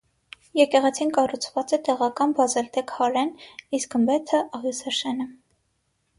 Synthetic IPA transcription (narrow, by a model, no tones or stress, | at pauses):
jɛkɛʁɛt͡sʰinkɑrut͡sʰvɑt͡sɛt̪ɛʁɑkɑnbɑzɛlt̪ɛkhɑɾɛniskəmbɛt̪ʰəʔɑʁjusɛʃɛnə